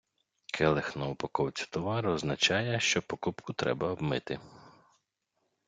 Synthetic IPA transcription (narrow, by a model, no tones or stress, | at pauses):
kʰɛlˠɪxnɔɔpɐkɔwt͡sʲɐ̥t̪ɔʋɑɾʊɔznɐt͡ʃɑjɛʃt͡ʃɔpɔkupkʊt̪ɾɛ̰bɐɔbmɪt̪ɪ